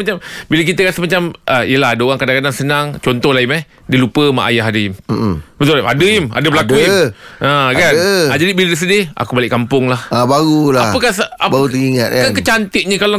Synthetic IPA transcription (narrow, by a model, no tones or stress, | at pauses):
mat͡ʃambilək̬it̪əkat̪əmat͡ʃamʔəḭjəlaɦadəoɣaŋkadaŋkadaŋsənaŋt͡ʃɔnt̪ɔhlaimah | dilupəma̰ʔajaɦadəɪm̩bət̪ʊlma̰dəɪma̰dəbəlakuiʔãkkanad͡ʒadibiləɾəs̬ədɪa̰kubalɪʔkampʊŋlahbaɣulaapəkahsabaɣut̪əŋiŋat̪̚kkakət͡ʃant̪ɪʔ̪̚ɲəkala